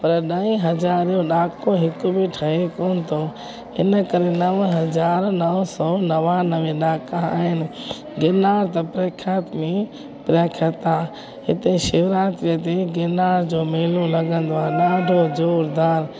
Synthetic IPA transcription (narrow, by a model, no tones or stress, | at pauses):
pɐɾɗaːĩɦɐzaːɾijõɗaːkõɦɪkʊbiʈʰɐekoːnɪt̪ʰo | ɪ̰nəkɐɾenɐʋəɦɐd͡ʑaːɾnɐʋsɔnɐʋãnɐʋẽɗaːkãa̰ːɦɪnɪ̆ | ɡeːnaːɾt̪ɐpɾeːkʰjaːt̪mẽ | pɾaːkʰjat̪ãː | ɦɪt̪eʃɪʋɾaːt̪ɾijət̪eɡeːnaːɾd͡ʑoːmeːlũlɐɡə̃nd̪oaːɗaːɖʱod͡ʑoːɾd̪aːɾ